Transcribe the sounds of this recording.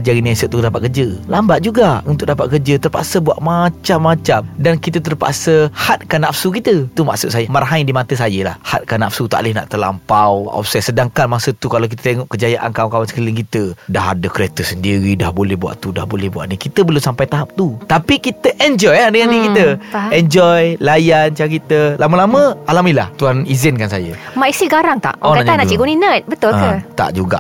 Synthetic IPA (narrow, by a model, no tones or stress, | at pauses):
d͡ʒaɾiniasʊʔ̚t̪ːudapat̪̚kəd͡ʒəlambaʔ̪̚d͡ʒuɡaunt̪ʊʔ̚dapa̰t̪̚kərd͡ʒət̪ərpa̰ʔsəbua̰ʔmat͡ʃamːat͡ʃamdankit̪̬ət̪̬ərpa̰ʔsəhat̪̚kanafsukit̪ət̪uma̰ʔsʊʔ̪̚sajəmaɾɦaɲdimat̪əsajəla̰hha̰t̪̚kanafsut̪a̰lɪhna̰ʔt̪əla̰mpawɔ̰fsɛsədaŋkanmasət̪ukalawk̬it̪ət̪eŋɔʔkəd͡ʒajaʔa̰nkawaŋkawansəkilɪŋkit̪ədaɦa̰dəkəɾet̪əsəndiɾidahbolɛhbua̰ʔt̪uda̰hbolɛhbua̰ʔnikit̪əbəlʊmsampajt̪aɦap̚t̪ut̪apikit̪əʔɛnd͡ʒɔjadəŋannĩkit̪əɛnd͡ʒɔjlajant͡ʃakit̪əlaməlamə̃alamilaht̪uɦanizɪnkansajəmaʔisiɡaɾaŋt̪a̰ʔonaɲanãt͡ʃiɡuninət̪̚bət̪ʊlkət̪a̰ʔd͡ʒuɡa̰ʔ